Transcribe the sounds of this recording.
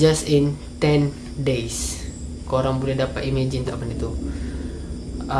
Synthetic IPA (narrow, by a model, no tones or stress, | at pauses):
d͡ʒasɪn | t̪ɛn | dejskoɾaŋbulɛdapat̪imed͡ʒɪnt̪amanit̪u